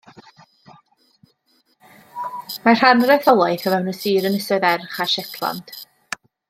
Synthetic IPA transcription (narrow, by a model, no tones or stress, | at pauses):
mar̥hanrɛθɔlˠajθɔvɛwnəsiːɾənəsɔðɛrχaʃɛtʰlˠa̰nd̥